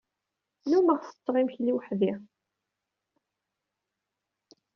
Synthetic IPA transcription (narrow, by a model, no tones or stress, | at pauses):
numəʁθə̥t͡s̪ˤːɾˤimçliwħði